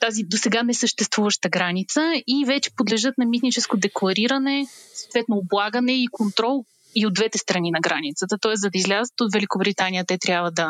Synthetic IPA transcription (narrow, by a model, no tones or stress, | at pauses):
t̪azid̪osɛɡanɛsəʃt̪ɛst̪vuvəʃt̪əɡɾanit̪səivɛt͡ʃɛ̥pod̪lɛʒɤt̪̚nɐmit̪nit͡ʃɛskod̪ɛklˠɐɾiɾɐnɛsot̪vɛt̪noːblˠaɡənɛikont̪ɾɔlˠ | iod̪vɛt̪ɛst̪ɾɐninɐɡɾanit̪sət̪ət̪ɔɛszɐd̪əizlʲazət̪ot̪vɛlʲikobɾit̪anijət̪ɛt̪ɾʲjabvəd̪ɐ